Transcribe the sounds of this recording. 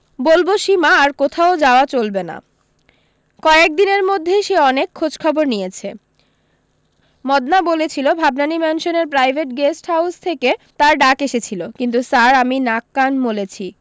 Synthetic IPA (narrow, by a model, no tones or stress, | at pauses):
bolboʃimaːɾkot̪ʰaod͡ʑaoat͡ɕolbena̰ | kɔek̚d̪ineɾmod̪ʱːeʃeɔnekʰːod͡ʑkʰɔboɾnijet͡ɕʰe | mɔd̪nabolet͡ɕʰilobʱabnanimɛnʃoneɾpɾajbʱeʈɡesʈɦawst̪ʰeket̪aɾɖakeʃet͡ɕʰilokint̪̬usaɾaminakːanbolet͡ɕʰi